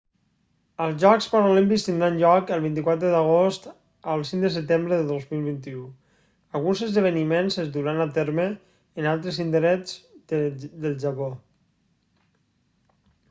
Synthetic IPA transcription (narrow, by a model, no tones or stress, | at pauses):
əlˠzʒɔkspəɾolimpikst̪ind̪ɾanʎɔkəlˠβint̪̬ikwat̪ɾəðəɣ̞ost̪ | əlˠsiŋd̪əs̬ət̪embɾəðəðozmilˠβ̞int̪iu | əlˠɣunzəzðəβ̞ənimenzəzd̪uɾanat̪eɾməː | nalˠt̪ɾəsind̪əɾɛd͡z | d̪əlˠʒapo